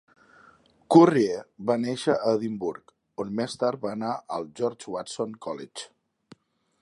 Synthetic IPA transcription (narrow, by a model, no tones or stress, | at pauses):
kurieβaneʃəʔəðimbuɾk | onmest̪aɾt̪̚βaːnaʔəlˠʒɔɾd͡ʒwat̪soŋkʰɔlit͡ʃ